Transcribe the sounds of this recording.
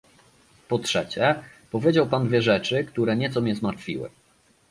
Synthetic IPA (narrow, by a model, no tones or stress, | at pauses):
pɔtʂɛt͡ɕɛ | pɔvʲjed͡ʑawpand̪vʲɛʐɛt͡ʂɘkt̪uɾɛɲɛt̪sɔmʲɲɛzmaɾt̪fʲḭwɘ̰